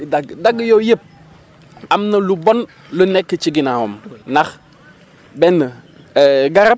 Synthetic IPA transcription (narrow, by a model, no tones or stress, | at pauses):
daɡdaɡjojəp̚ | amnəlubon | lunekːət͡ʃiɡinahomnax | bɛnːə | ɡaɾap̚